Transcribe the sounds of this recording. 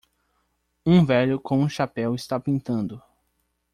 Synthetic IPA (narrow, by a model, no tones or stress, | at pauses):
ũvɛʎʊkõw̃ũʃapɛwɪst̪apĩnt̪ɐ̃nd̪ʊ